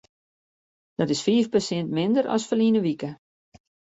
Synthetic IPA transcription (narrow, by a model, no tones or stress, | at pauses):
d̥ɔtɪsfiːfpəsɪntmɪndəɾɔ̰sfəlinəʋikə